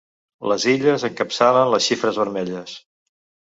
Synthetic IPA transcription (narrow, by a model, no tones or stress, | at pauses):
ləziʎəzəŋkəpsalənləsʃifɾəzβəɾmɛʎəs